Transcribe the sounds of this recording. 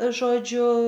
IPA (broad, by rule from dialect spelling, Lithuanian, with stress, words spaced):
ˈʒoːd͡ʒʲʊ